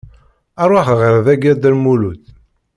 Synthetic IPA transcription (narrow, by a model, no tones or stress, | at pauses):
æɾˤwaχʁəɾðæɡæd̪ælmulut̪